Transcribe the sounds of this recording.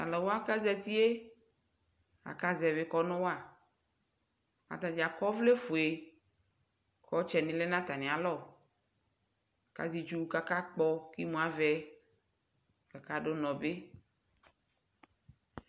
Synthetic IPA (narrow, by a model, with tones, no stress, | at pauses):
a̰˨lɔ˨wo˦a˦ka˦zɛ˦t̪i˦e˦ | a̰˨ka˦zɛ˨βe˨˦kɔ˦nɔ̃˦wo˦a˨ | a̰˨t̪ã˨d͡ʒa˨kɔ˦vle˦fo˨e˨ | kɔ˦t͡ʃɛ˨nĩ˨le˦nã˦t̪a˨nĩ˨a˨lɔ˦˨ | ka̰˨zi˨d͡ʒu˦ka˦ka˦k͡pɔ˦ki˦mũ˦a˦vɛ˦ | ka˨ka˦ɖo˦nɔ̃˨be˦